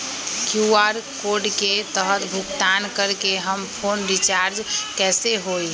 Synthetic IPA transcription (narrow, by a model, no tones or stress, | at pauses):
kjuaɾkoːɖket̪əɦət̪bʱʊkt̪ankəɾkeɦəmpʰoːnɾit͡ʃaɾd͡ʒkɛːseɦoi